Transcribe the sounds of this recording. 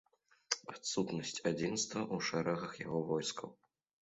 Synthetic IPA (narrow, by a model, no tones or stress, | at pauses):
at̪sut̪nɐsʲt͡sʲad͡zʲinst̪vɐʔuʂɛɾɐɣɐxja̰ɣɔvɔjskɐw